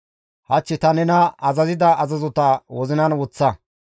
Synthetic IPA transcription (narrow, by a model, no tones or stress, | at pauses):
hɐt͡ʃːɪt̪ɐnɛnɐɐzɐzɪd̪ɐʔɐzɐzɔt̪ɐwɔzɪnɐnwɔt͡sːɐ